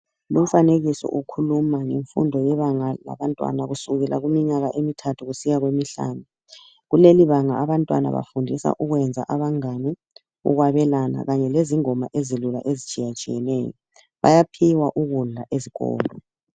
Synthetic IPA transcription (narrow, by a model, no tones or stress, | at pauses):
lum̩faneɣisɔ̰ʔukʰulumaŋeɱfṵndʱɔjɛβaŋala̰βantʼwa̰naɣusuɣɛla̰ɣumiɲaɣaʔemitʰatʰuɣusiɣaɣwemiɬa̰ːnu | ɣuleliβaŋaːβantʼwa̰na̰βa̰fundʱisa̰ʔuɣwɛnd͡zʱa̰ʔaβaŋani | ṵɣwaβɛlana̰ɣaɲɛleziŋɔmaʔezilula̰ʔezit͡ʃʼijat͡ʃʼijɛnɛːjɔ | βa̰japʰiwaʔuɣula̰ʔeziɣɔ̰ːlɔ